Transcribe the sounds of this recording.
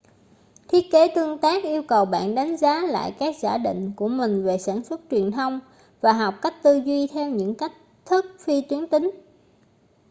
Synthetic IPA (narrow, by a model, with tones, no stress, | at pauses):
t̪ʰi˦˥ət̚ke˨˦t̪ɨ˧əŋt̪aː˦˥k̚ʔi˧əwkə˨˩wɓa̰ː˧˨nɗa˨˦jŋ̟zaː˨˦la̰ː˧˨jkaː˦˥k̚zaː˧˩ɗḭ̈˧˨ŋ̟ku˧˩əmï˨˩ŋ̟ve˨˩saː˧˩nswə˦˥t̚t͡ɕwi˨˩ənt̪ʰə˧wŋ͡m | vaː˨˩ɦa˨˩wk͡p̚ka˦˥jk̟̚t̪ɨ˧zwi˧t̪ʰɛ˧wɲɨ̰˧˥ŋka˦˥jk̟̚t̪ʰɨ˦˥k̚fi˧t̪wi˨˦ənt̪ï˨˦ŋ̟